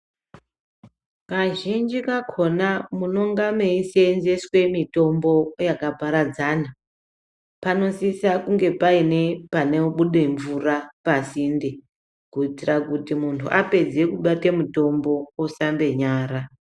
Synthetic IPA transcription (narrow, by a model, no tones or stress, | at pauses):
kaʒind͡ʒikakʰo̞namuno̞ŋɡameisenzeswe̞mito̞mbo̞jakapaɾad͡zaːna | pano̞sisakuŋɡe̞paine̞paneuɓuɗe̞ɱvurapasinde | kuitirakutimuntʰṵʔape̞d͡ze̞kuɓate̞muto̞mbo̞osambe̞ɲaːɾa